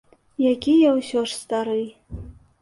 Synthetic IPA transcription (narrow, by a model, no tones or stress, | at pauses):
jaɡʲijawɕoʂst̪ʼaɾɨj